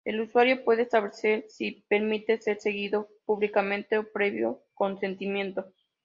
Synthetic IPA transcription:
e̞̰luswaɾjo̞pwe̞ð̞eːst̪aβlese̞ɾsipe̞ɾmit̪e̞se̞ɾse̞ɣiðo̞puβlikamẽ̞nt̪e̞opɾe̞βjo̰ko̞nse̞nt̪imjẽ̞nt̪o̞

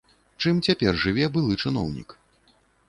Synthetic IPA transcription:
t͡ʂɨmt͡sʲapʲɛrʐɨvʲɛbɨlˠɨt͡ʂɨnɔ̰wnʲḭk

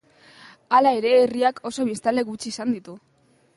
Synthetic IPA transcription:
alae̞ɾe̞ːriakʰo̞so̞βist̪ale̞ɣut͡ʃiːsand̪it̪u

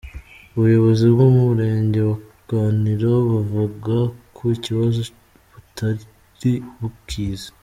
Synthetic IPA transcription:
uβujo̞βo̞zibɡomuβuɾe̞ːɲɟe̞wa | ɡ̥aːniɾaβuvuɡakʰoiciβazo | βutʰaɾ | ɾiβukʰiːzḁ

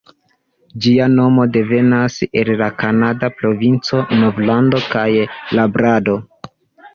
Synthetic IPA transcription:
d͡ʒiano̞mo̞de̞ve̞nase̞llakanadapɾo̞vint͡so̞no̞vlando̞kajlabɾado̞

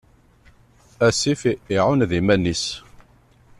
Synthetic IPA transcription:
æsifɪʕʊnðimænːis

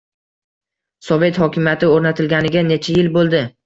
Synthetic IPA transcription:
sɒve̞t̪hɒkʲʰɪmjat̪ʰɪoɾnat̪ʰɪlɡʲanɪɡʲane̞t͡ʃʰajɪlbolˠd̪ɪ

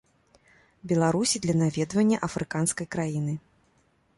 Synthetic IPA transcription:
bʲɛlˠaɾusʲid̪lʲɐnavʲɛd̪vɐnʲːɐʔɐfɾʔɨkanskɐjkɾajinɨ

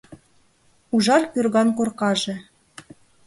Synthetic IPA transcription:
uʒɑrkyrɣɑnkorqɑʒĕ

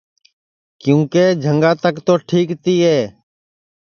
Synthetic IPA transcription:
kjũːkeːd͡ʒʱəŋɡaːt̪əkt̪oːʈʰiːkt̪iːɦɛː

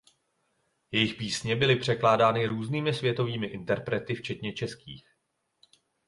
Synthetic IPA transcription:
jɛjɪxpiːsɲɛbɪlɪpr̝̥ɛklaːdaːnɪɾuːzniːmɪsvjɛt̪o̞viːmɪʔɪnt̪ɛɾpɾɛt̪ɪft͡ʃɛt̪ɲɛt͡ʃɛskiːx

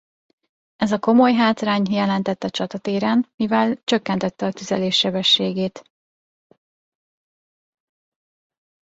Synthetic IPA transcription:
ɛzɒko̞mo̞jɦaːt̪raːɲjɛlɛnt̪ɛt̪ːɒt͡ʃɒt̪ɒt̪eːɾɛnmivɛlt͡ʃøkːɛnt̪ɛt̪ːɛɒt̪yzɛleːʃːɛbɛʃːeːɡeːt̪

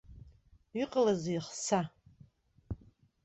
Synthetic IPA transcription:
iqʼəlazijχsa

